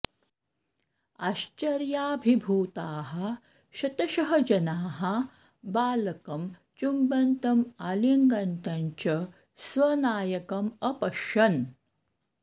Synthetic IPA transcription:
aɕt͡ʃɐɾjaːbʱibʱuːt̪aːɦɐ | ɕɐt̪ɐʃɐɦɐd͡ʒɐnaːɦɐ | baːlɐkɐmt͡ʃumbɐnt̪ɐmaliŋɡɐnt̪aɲt͡ɕɐ | sʋɐnaːjɐkɐmɐpɐʃɐn

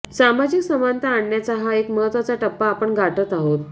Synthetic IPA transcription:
samad͡ʑiksəmant̪aːɳːjat͡saɦaekməɦət̪ʋat͡saʈəpːaːpəɳɡʱaʈət̪aɦot̪̚

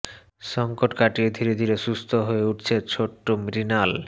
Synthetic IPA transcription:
ʃɔŋkoʈkaʈid̪ʱiɾed̪ʱiɾeʃust̪ʰoɦoeuʈt͡ɕʰet͡ɕʰoʈːomɾinal

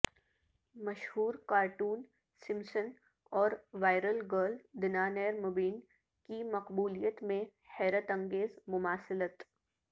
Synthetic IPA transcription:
mɐʃhuːɾkaːɾʈuːn | sɪ̃msən | ɔːɾʋaːɪɾəlɡəːɾld̪ɪnaːnɛːɾmʊbiːn | kimɐqbuːlijət̪mẽhɛːɾət̪ɐ̃ŋɡeːzmʊmaːsɪlət̪

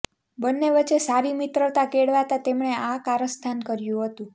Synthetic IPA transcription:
bənːeʋət͡ʃesaɾimit̪ɾət̪akeɽʋat̪at̪emɳeakaɾəst̪ʰankəɾjũɦət̪ũ

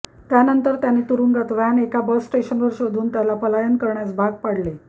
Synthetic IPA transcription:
t̪janənt̪əɾt̪janet̪uɾuŋɡat̪ʋanekabəsːʈeɕənʋəɾɕod̪ʱuːnt̪jalapəlajənkəɾɳjat͡sbʱaɡ̚paɽle

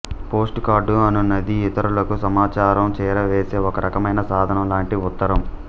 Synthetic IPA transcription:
po̞ːsʈkaːɾɖuɐnunɐd̪iːt̪ɐɾulɐkusɐmaːt͡ʃaːɾɐmt͡ʃɛːɾɐʋeːse̞ːɔkɐɾɐkɐmɐjnɐsaːd̪ʱɐnɐmlaːɳʈiʊt̪ːɐɾɐm

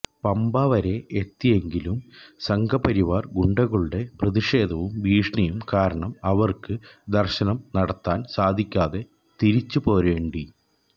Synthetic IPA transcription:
pɐmbaːʋɐɾe̞ʔet̪ːije̞ŋɡilumsɐŋɡʰʱɐpɐɾiʋaːrɡuɳɖɐɣɐɭuɽe̞prɐðiʂe̞ːd̪ʱɐʋumʋiːʂɳɐjumkaːɾɐɳɐmɐʋɐrkɨd̪ɐrɕɐnɐmnɐɽɐt̪ːaːnsaːd̪ʱikʲːaːðe̞ | t̪iɾit͡ɕːupo̞ːɾʋe̞ːɳɖi

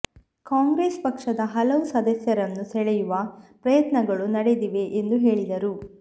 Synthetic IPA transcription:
kaːŋɡɾeːspɐkʂɐd̪ɐɦɐlɐʋusɐd̪ɐsjɐɾɐnːusɛɭɛjuʋɐpɾɐjɐt̪nɐɡɐɭunɐɽed̪iʋe̞ʔend̪uɦe̞ːɭid̪ɐɾu

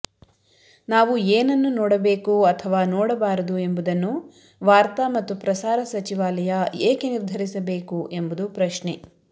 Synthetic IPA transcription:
naːʋueːnɐnːunɔːɽɐbeːkuɐt̪ʰɐʋaːnɔːɽɐbaːɾɐd̪ue̞mbud̪ɐnːu | ʋaːɾt̪ɐmɐt̪ːupɾɐsaːɾɐsɐt͡ʃiʋaːlɐjɐeːkeniɾd̪ʱɐɾisɐbe̞ːkuʔe̞mbud̪upɾɐʃɳe

